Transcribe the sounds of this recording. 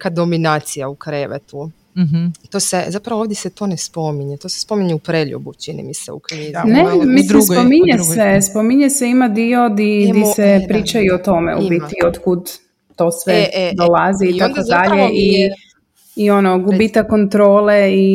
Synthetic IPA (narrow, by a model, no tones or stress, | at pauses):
kad̪ominaːt̪sijaukɾeʋḛt̪u | t̪osezapɾaʋooʋd̪jeset̪o̞nespo̞miɲet̪o̞ːse̥spo̞miɲeupɾeʎṵbut͡ʃinḭmisḛṵkɾenemisimspomiɲesʋespomiɲeseimad̪io̞d̪id̪isepɾiːt͡ʃaiot̪o̞mḛṵbit̪iod̪kud̪ | t̪o̞sʋed̪olaziːt̪akod̪aʎeʔi | io̞noɡubit̪akːont̪ɾoːle̞i